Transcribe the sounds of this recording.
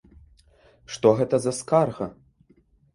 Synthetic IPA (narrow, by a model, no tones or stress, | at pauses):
ʂt̪ɔɣɛt̪ɐzɐskarɣɐ